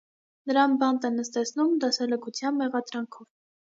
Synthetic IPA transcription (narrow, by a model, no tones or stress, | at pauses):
nəɾɑnbɑnt̪ɛnəst̪ɛt͡sʰnumd̪ɑsɛləkut͡sʰjɑnmɛʁɑd̪ɾɑŋkʰɔv